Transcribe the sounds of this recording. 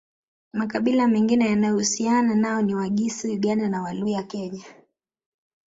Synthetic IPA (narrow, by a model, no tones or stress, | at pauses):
makaɓilamɛŋɡinɛjanajɔhusiananaɔniwaɠisijuɠandanawalujakɛɲa